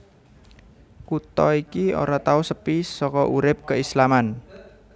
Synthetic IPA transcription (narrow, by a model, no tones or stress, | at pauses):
kut̪ɔikio̰ɾat̪ausəpisɔkɔʔuɾɪp̚kəislaman